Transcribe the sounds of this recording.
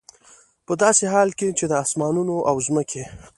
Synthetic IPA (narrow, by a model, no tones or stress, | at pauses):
pəd̪ɑseɦɑlket͡ʃed̪əasmɑnunoʔawzməkʰe